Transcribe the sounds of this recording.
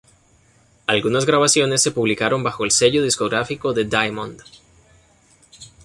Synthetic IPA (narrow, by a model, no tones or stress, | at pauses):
alɣunazɣɾaβasjo̞nesːe̞puβlikaɾo̞mbaxo̞else̞ʝo̞ð̞isko̞ɣɾafiko̞ðe̞d̪ajmond̪